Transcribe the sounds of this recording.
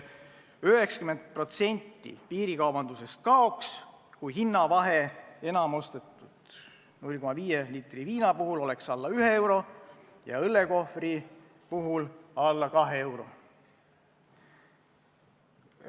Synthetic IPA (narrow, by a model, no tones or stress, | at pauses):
yɦe̞ksɑ̥kyme̞nt̪̚pro̞t̪se̞nʲt̪ːḭpiːɾikɑwbɑnd̪use̞st̪̚kɑo̞ks | kujɦinːɑvɑɦee̞nɑmo̞st̪et̪ːˑud̪̥ | nulʲko̞mɑviːjeliːt̪ˑriviːnɑpuɦulo̞le̞ksɑlːɑyɦe̞e̞wɾo̞ | jɑ̰ɤlːe̞ko̞fri | puɦulɑlːɑkɑɦee̞wɾo̞̰